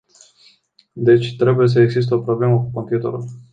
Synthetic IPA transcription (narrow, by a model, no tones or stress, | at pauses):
d̪e̞t͡ʃʲt̪ɾe̞buje̞s̬əeɡzis̬t̪eo̞pɾo̞ble̞məkuko̞mpjut̪ḛɾṵl